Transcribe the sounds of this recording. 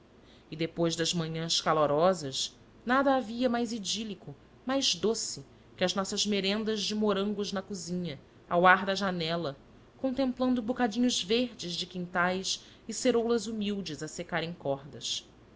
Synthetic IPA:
ɪd̪epojzd̪ɐzmɐ̃ɲɐ̃skaloɾɔzɐʃ | nad̪ɐːviɐmajzid͡ʒilikʊ | majzd̪osɪ | kɪɐznɔsɐzmeɾẽnd̪ɐzd͡ʒɪmoɾɐ̃ŋɡʊznɐkuzĩɲɐ | a̰waɾd̪ɐʒanɛlɐ | kõnt̪ẽmplɐ̃nd̪ʊbukad͡ʒĩɲʊzveɾd͡ʒɪzd͡ʒɪkĩnt̪ajʃ | ɪseɾowlɐzumiwd͡ʒɪzɐsekaɾẽj̃kɔɾd̪ɐs

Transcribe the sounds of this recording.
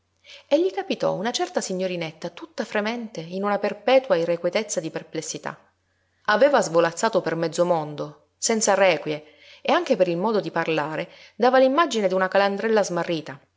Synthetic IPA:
eʎːikapit̪ɔ̰unat͡ʃɛrt̪asiɲːoɾinet̪ːat̪ut̪ːafɾemɛnt̪einunaperpɛːt̪wairekwet̪et̪sːad̪iperplesːit̪a̰ | aveːvazvolat̪sːaːt̪opermɛd̪zːomond̪o | sɛnt̪sarɛːkwje | eaŋk̟epeɾilmɔːd̪od̪iparlaːɾe | d̪aːvalimːad͡ʒined̪iunakaland̪ɾɛlːazmarːiːt̪a

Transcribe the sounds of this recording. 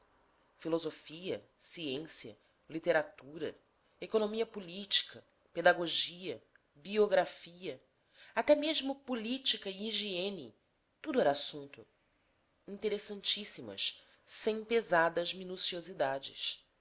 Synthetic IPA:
filozofiɐ̰ | siẽsiɐ̰ | lit̪eɾat̪uɾɐ̰ | ekonomiɐpulit͡ʃi̥kʰɐ | ped̪aɡoʒiɐ | bioɡɾafiɐ | at̪ɛmeʒmʊpulit͡ʃikɐiiʒeẽni | t̪ud̪ʊɛɾɐasũnt̪ʊ | ĩnt̪eɾesɐ̃nt͡ʃisimɐ̰s | sẽj̃pezad̪ɐzminusiozid̪ad͡ʒɪ̰s

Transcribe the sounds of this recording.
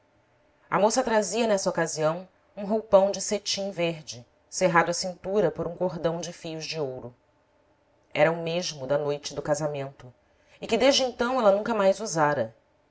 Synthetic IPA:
ɐ̰mosɐt̪ɾaziɐnɛsɐokaziɐ̃w̃ | ũɦowpɐ̃w̃d͡ʒɪset͡ʃĩveɦd͡ʒɪ | seɦad̪ʊɐsĩnt̪uɾɐpoɾũkoɦd̪ɐ̃w̃d͡ʒɪfijʊzd͡ʒɪowɾʊ | ɛɾɐʊmeʒmʊd̪ɐnojt͡ʃɪd̪ʊkazamẽnt̪ʊ | ɪkɪd̪eʒd͡ʒɪẽnt̪ɐ̃w̃ɛlɐnũkɐmajzuzaɾɐ

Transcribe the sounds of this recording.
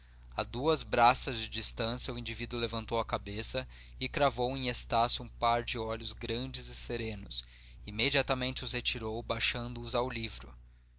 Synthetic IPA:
a̰d̪uɐzbɾasɐzd͡ʒɪd͡ʒist̪ɐ̃sjɐuĩd͡ʒivid̪ʊlevɐ̃nt̪owɐkabesɐ | ɪkɾavowẽj̃est̪asʊũpaɾd͡ʒɪɔʎʊzɡɾɐ̃nd͡ʒɪzɪseɾẽnʊs | imed͡ʒiat̪amẽnt͡ʃɪʊshet͡ʃiɾowbajʃɐ̃nd̪ʊʊzawlivɾʊ

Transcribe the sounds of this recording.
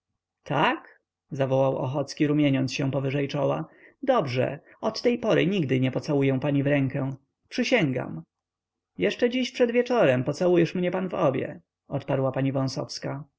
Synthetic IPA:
t̪ʰak | zavɔwawʔɔ̰xɔt̪skʲiɾumʲjɛɲɔnsɕɛ̃pɔvɘʐɛjt͡ʂɔwad̪ɔbʐɛ̰ | ɔt̪ːɛjpɔɾɘɲiɡd̪ɘɲɛpɔt̪sawujɛ̃paɲivɾɛŋkɛ̃ | pʂɘɕɛŋɡa̰m | jɛʂt͡ʂɛd͡ʑiɕpʂɛd̪vʲjɛt͡ʂɔɾɛmpɔt̪sawujɛʂmɲɛpanvɔbʲjɛ̰ | ɔt̪paɾwapaɲivɔ̃w̃sɔ̰fska

